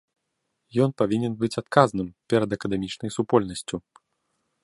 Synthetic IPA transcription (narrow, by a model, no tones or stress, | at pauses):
jɔnpavʲinʲɛnbɨt͡sʲat̪kaznɨmpʲɛɾɐd̪ɐkɐd̪ɛmʲit͡ʂnɐjsupɔlʲnɐsʲt͡sʲu